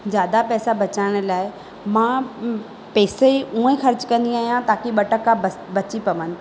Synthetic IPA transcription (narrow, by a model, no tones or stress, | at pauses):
d͡ʑjaːd̪apɛːsabɐt͡ɕaːɪɽ̃̆laːɪ | mãː | pɛːseũːẽxɐɾt͡ɕkɐ̃nd̪iaːɦijãt̪aːkiɓɐʈəkːabəbɐt͡ɕipɐʋənɪ̆